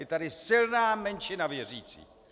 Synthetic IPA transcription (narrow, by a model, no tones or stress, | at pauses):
ɛt̪adɪsɪlnaːmɛnt͡ʃɪnavjɛr̝iːt͡sḭː